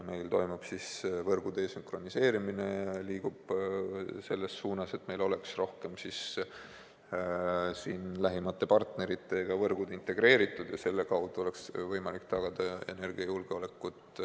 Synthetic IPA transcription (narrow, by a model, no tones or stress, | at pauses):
me̞jlt̪o̞jmub̥sisvɤrɡ̥ud̪̥e̞syŋkro̞nise̞ːɾimine̞liːɡ̥ub̥ | se̞lːe̞sːuːnɑse̞t̪me̞jlo̞le̞ksro̞hke̞msis | siːnlæɦimɑt̪ːe̞pɑrt̪ne̞ɾit̪ːˑe̞ɡ̥ɑvɤrɡ̥ud̪̥int̪e̞ɡ̥re̞ːɾit̪ːˑud̪̥jɑse̞lːe̞kɑwd̪̥uo̞le̞ksvɤjmɑlikt̪ɑɡ̥ɑd̪̥ɑe̞ne̞rɡ̥iɑjulɡ̥eole̞kːˑut̪ˑ